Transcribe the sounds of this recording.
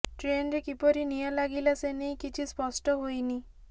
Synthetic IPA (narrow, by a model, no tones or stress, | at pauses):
ʈɾenɾekipɔɾinijalaɡilasenejkit͡ʃʰispɔsʈɔɦojni